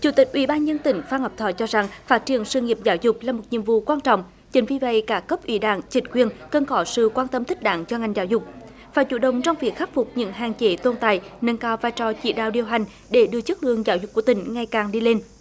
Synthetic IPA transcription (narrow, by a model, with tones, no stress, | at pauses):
t͡ɕu˧˩t̪i˨˩k̚ʔwḭ˧˦ɓaː˧nzə˧nt̪ï˧˨˦ŋ̟faː˧nhəː˨˩p̚t̪ʰɔ̰˧˦t͡ɕɔ˧za˨˩ŋfaː˦˥t̚t͡ɕi˧˩ənsəː˧ŋi˨˩əp̚zaː˨˦wzʊ˨˩k͡p̚laː˨˩mo˨˩t̚ɲḭ˧˨əmvṵ˧˨kwaː˧nt͡ɕɔ̰˧˨wŋ͡m | t͡ɕï˨˩˦ŋ̟vi˧˩və̰˧˨jkaː˦˥kə˦˥p̚ʔwḭ˨˦ɗa̰ː˧˨ŋt͡ɕï˨˩˦ŋ̟kwi˧ənkə˨˩nxɔ˨˦sɨ̰˧˨kwaː˧nt̪ə˧mt̪ʰï˦˥k̚ɗa̰ː˧˦ŋt͡ɕɔ˧ŋa˨˩jŋzaː˧˦wzʊ˨˩k͡p̚ | vaː˨˩t͡ɕṵ˧˩ɗə˨˩wŋ͡mt͡ɕɔ˧wŋ͡mvi˨˩ək̚xa˦˥k̚fʊ˨˩k͡p̚ɲɨ̰˧˥ŋɦaː˨˩ŋt͡ɕe˨˦t̪o˧nt̪a̰ː˧˨jnə˧nkaː˧wvaː˧jt͡ɕɔ˧˩t͡ɕḭ˧˥ɗa̰ː˧˨wɗi˨˩əwɦa˨˩jŋ̟ | ɗe˧˩˦ɗɨ˧ət͡ɕɨ˦˥k̚lɨ̰˧˨əŋzaː˨˦wzk͡p̚ku˧˩ət̪ï˧˩˦ŋ̟ŋa˨˩jkaː˨˩ŋɗi˧le˧n